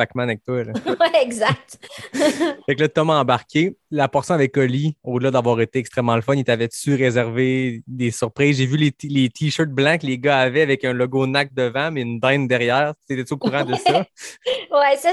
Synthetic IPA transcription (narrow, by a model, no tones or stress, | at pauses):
fakmanɛk̚t̪walwɛɛɡzak̚t̪ | fɛklat̪ɔmɑ̃baʁkʲelapɔʁsjɔ̃avɛkɔliod̪əlad̪avwɑːʁet̪eɛkst̪χɛmːɑ̃ləfɔnit̪avɛt͡syʁezɛʁved̪esyʁpʁiːzʒevylelet̪ʰiʃɜ˞t̪̚blɑ̃kəleɡaavɛavɛkœ̃lɔɡonak̚d̪əvɑ̃mɛynd̪ɛ̃nd̪ɛʁjɛːʁset̪ɛtyokuʁɑ̃d̪əsɔ | wɛsa